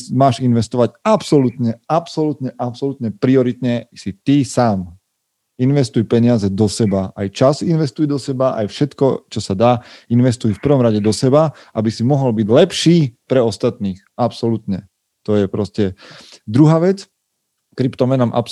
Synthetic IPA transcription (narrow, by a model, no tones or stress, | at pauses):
maːʒinʋɛst̪ɔʋaɟapsɔlut̪ɲɛapsɔlut̪ɲɛʔapsɔlut̪ɲɛpɾiɔɾit̪ɲɛsit̪isaːm | inʋɛst̪ujpɛɲɪazɛd̪ɔsɛbaajt͡ʃazinʋɛst̪ujd̪ɔsɛbaʔa̰jfʃɛt̪kɔt͡ʃɔsad̪aːinʋɛst̪ujfpr̩ʋɔmɾaɟɛd̪ɔsɛba | ʔabisimɔɦɔlbiɟlɛpʃiːpɾɛɔst̪at̪niːxapsɔlut̪ɲɛ | t̪ɔjɛpɾɔscɛd̪ɾuɦaːʋɛt͡s | kɾipt̪ɔmɛnamʔa̰p